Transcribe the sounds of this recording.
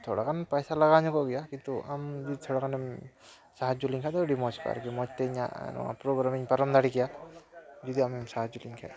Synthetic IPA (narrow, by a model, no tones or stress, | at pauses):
t̪ʰɔɽa̰kʰanpajsalaɡaɲɔkɔɡɛjakint̪uʔamd͡ʒit̪ʰɔɽakʰanɛm | saɦad͡ʒuliŋkʰad̪ɔɾimɔska̰ɾkɛmɔt͡ʃt̪ɛiɲa̰nɔ̰a̰pɾɔɡɾamiŋpaɾɔmd̪aɽikija | d͡ʒɔd̪iamimsaɦad͡ʒuliŋkʰa̰